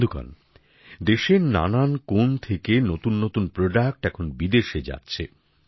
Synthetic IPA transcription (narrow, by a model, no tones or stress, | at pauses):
d̪ʱuka̰n | d̪eʃeɾna̰nankont̪ʰekenot̪unːot̪unpɾoɖak̚ʈɛkʰonbid̪eʃed͡ʑa̰tːɕʰe